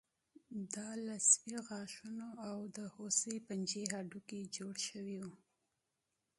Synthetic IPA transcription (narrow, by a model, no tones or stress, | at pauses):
d̪ɑlaswiɣɑʃunoawd̪əhosəpand͡ʒeɦaɖuked͡ʒoɽʃəwiwu